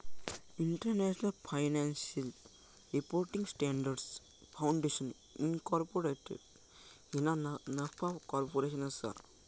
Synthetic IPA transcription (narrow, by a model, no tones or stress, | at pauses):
iɳʈɐɾneʃnɐlpʰajnansiɐl | ɾipoɾʈĩŋsʈeːɳɖɐɾɖs | pʰawɳɖeʃɐn | inkɔɾpoɾeʈḭɖ | hinanɐpʰakɔːɾpoɾeʃɐnɐsa̰